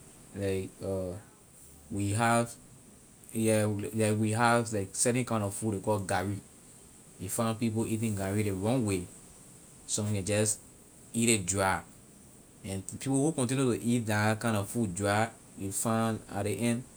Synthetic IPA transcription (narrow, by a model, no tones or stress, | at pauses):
laɪkɔ | wiɦav | jɛlaɪkwiɦavlaɪksɛtɛ̃nkãɪ̃ndɔfuekɔɡaɹi | wifãɪ̃npip̬oʔit̬ĩŋɡaɹiɾeɹɔ̃ŋwe | sɔ̃mĩŋɛ̃d͡ʒɔs | iɾet̚dɹaɪ | ɛ̃npʰipohukɔ̃nt̬ĩnjutuʔit̚dakãɪ̃ndɔvfudɹa | wifãna̰tdiʔɛ̃nd